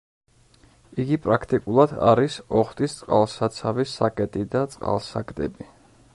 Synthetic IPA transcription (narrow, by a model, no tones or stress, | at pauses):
iɡipʼɾakʰt̪ʼikʼulˠad̪a̰ɾisɔχt̪ʼist̪sʼqʼa̰lˠsat̪sʰavisakʼɛt̪ʼid̪at̪sʼqʼa̰lˠsa̰kd̪ɛ̰bi